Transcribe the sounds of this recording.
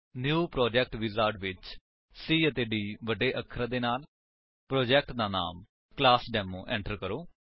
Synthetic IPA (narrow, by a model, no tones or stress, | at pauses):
njuːpɾoːd͡ʒɛːk̚ʈʋɪzaːɾʈʋɪt͡ʃ | siːət̪eːɖiːʋəɖeːʔəkʰɾãːd̪eːnaːl | pɾɔːd͡ʒɛːk̚ʈd̪aːna̰ːm | klaːsɖɛːmõːʔɛ̰̃ːɳʈəɾkəɾoː